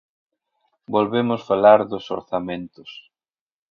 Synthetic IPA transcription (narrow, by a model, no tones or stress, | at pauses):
bolβemʊsfalaɾðʊso̰ɾθamẽnt̪ʊs